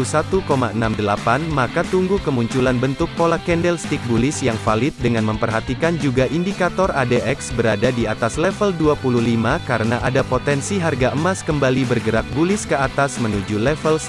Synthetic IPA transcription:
sat̪ukoma̰ənamdəlapanmakat̪uŋɡukəmuɲt͡ʃulanbənt̪ʊkːolakɛndɛlst̪ɪk̚bulɪsjaŋfalɪt̪̚dəŋanməmpərɦat̪ikand͡ʒuɡaʔindikat̪ɔradeʔɛksbəɾadadiat̪aslɛfəlduapuluhlimakaɾənaʔadapot̪ɛnsiɦarɡaʔəmaskəmbalibərɡəɾak̚bulɪskəat̪asmənud͡ʒulɛfəl

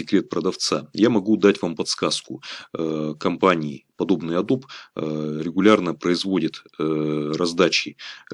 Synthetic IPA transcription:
sʲɪkɾʲe̞t̪̚pɾəd̪ɐft̪sajamɐɡud̪atʲvampɐt̪skaskʊ | kɐmpanʲɪːpɐd̪o̞bnɨjɐd̪op | ɾʲɪɡʊlʲarnəpɾəɪzvo̞dʲɪt̪ | rɐzd̪at͡ɕɪ

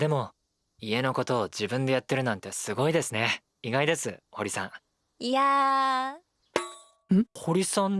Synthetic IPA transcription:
d̪̥e̞mo̞ | ie̞no̞ko̞t̪o̞ːd͡ʑibɯ̟̃nd̪e̞jat̪ːe̞ɾɯ̟nãnt̪e̞sɨɡo̞id̪e̞sɨne̞ | iɡaid̪e̞sɨho̞ɾʲisã̰ŋ̃ | ia | hoɾʲisõn

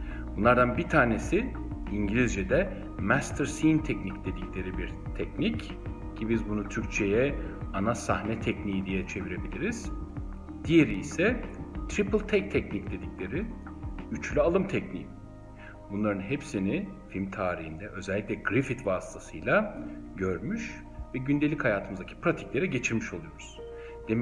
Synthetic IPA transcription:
b̥unlˠaɾd̪anbiɾt̪ʰaːne̞si | iɲɟilʲizd͡ʒed̪ɛ | mæst̪ʰɾsint̪ʰɛcnicd̪e̞d̪iclʲe̞ɾibiɾ | t̪ʰɛcnic | cʰibizbunut̪ʰyɾc̚ʲt͡ʃʰejɛanasahnɛt̪ʰɛcnijid̪ijɛt͡ʃʰe̞viɾe̞bilʲiɾiz̥ | d̪̥ije̞ɾiːsɛt̪ʰɾipʰɯlˠt̪ʰɛc̚t̪ʰɛcnicd̪e̞d̪iclʲe̞ɾiyt͡ʃlʲyalˠɯmt̪ʰɛcnḭːm | bunlˠaɾɯnɦepsinifilʲmt̪ʰaːɾihind̪ɛʔø̞zɛlʲːiclʲɛɡɾifit̪vaːst̪ʰasɯjlˠaɟøɾmyʃ | vɛɟynd̪e̞lʲichajaːt̪ʰɯmɯzd̪acʰi̥pʰɾat̪ʰi̥clʲe̞ɾɛɟe̞t͡ʃʰiɾmiʃo̞lˠujo̞ɾuz̥ | d̪̥e

